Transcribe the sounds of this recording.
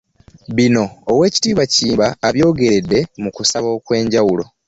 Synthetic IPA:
βino̞ːwe̞ːci̥tiːβaciːmbaːβjo̞ːɡe̞ɾe̞dːe̞mukusaβo̞ːkwe̞ːɲɟawulo̞

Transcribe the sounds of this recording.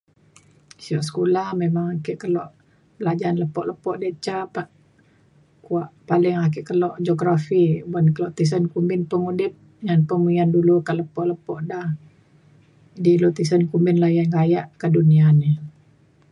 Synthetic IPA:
siɔʔsə̥kulahmemaŋakɪʔkəlɔʔ | bəlad͡ʒaːnləpɔʔləpɔʔdet͡ʃapaʔ | kuaʔpalɪŋak̬ɪʔkəlɔʔd͡ʒoɡɾafibankəlɔʔt̪is̬ənkumbɪnpəŋudɪp̚ | ŋanpəmuiandulukaləpɔʔləpɔʔdah | dilot̪isənkumbɪnlahjaŋɡajaʔkəduniani

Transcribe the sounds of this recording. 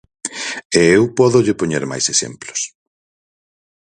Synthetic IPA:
eewpɔðʊʎɪpoɲeɾma̰jsesḛmplo̥s

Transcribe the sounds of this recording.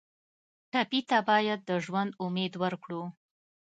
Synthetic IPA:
ʈapit̪abɑjad̪̚ːəʒwand̪ʊmed̪wəɾkɽu

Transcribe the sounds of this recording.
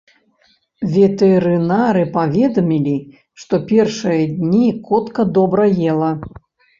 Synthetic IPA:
vʲɛt̪ɛɾɨnaɾɨpavʲɛd̪ɐmʲilʲi | ʂt̪ɔpʲɛrʂɨjɐd̪ʲnʲikɔt̪kɐd̪ɔbɾɐjɛlˠɐ

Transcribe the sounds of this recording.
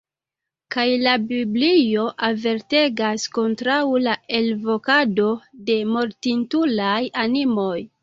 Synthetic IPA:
kajlabiblijo̞ʔave̞ɾte̞ɡasko̞ntɾawlae̞lvo̞kado̞de̞mo̞ɾtintulajanimo̞j

